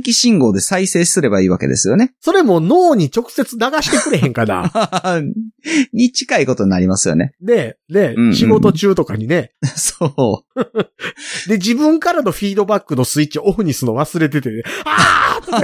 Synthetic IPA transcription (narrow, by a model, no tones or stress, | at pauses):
kʲiɕĩŋɡo̞ːd̪e̞saise̞ːsɨɾe̞baiːβake̞d̪e̞̰sɨjo̞ne̞so̞ɾe̞mo̞no̞ːɲ̟it͡ɕo̞kɯ̟̥se̞t͡sɨnaɡaɕi̥t̪e̞kɯ̟ɾe̞ɦẽ̞ŋkana̰ | ɲ̟it͡ɕi̥kaiko̞t̪o̞ɲinaɾʲimasɨjo̞̰ne̞̰ne̞ne̞ɯ̃ɕiɡo̞t̪o̞t͡ɕɨːt̪o̞kaɲ̟ine̞so | d̪e̞d͡ʑibɯ̟̃ŋkaɾano̞ɸʲiːd̪o̞bakːɯ̟no̞sɨitt͡ɕːioɸɯ̟ɲ̟isɨnoβasɨɾe̞t̪̬e̞t̪eeat̪o